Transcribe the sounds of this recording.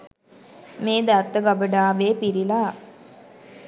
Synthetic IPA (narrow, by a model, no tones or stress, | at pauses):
meːd̪at̪ːəɡabəɖaːʋeːpiɾilaː